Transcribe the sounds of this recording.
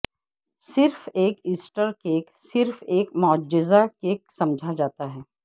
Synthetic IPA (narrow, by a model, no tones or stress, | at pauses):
sɪɾfeːkiːsʈəɾkeːksɪɾfeːkmɔːd͡ʒɪzakeːk̚sɐmd͡ʒʱad͡ʒaːt̪aɦɛː